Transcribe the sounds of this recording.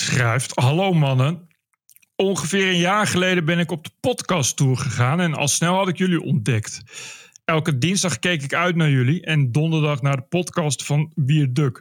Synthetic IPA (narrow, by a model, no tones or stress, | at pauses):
sχrɛjftɦɑlowmɑnən | ɔŋχəvɪːrənjaːɹχəlejdəbɛnɪkɔb̚dəpɔtkɑstuːɹχəχaːnɛnɑ̰lˠsnɛlˠɦɑtɪkjɵliʔɔ̰ndɛkt | ɛlˠkədinzdɑχkejkɪkœɥtnaːɹjɵliʔɛndɔndəɹdɑχnaːɹdəpɔtkɑstfɑnbiːɹdøk